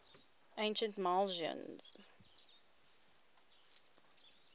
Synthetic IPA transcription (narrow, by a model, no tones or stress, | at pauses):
ʔẽɪ̃nʃə̃ntmalʒə̰̃nz̥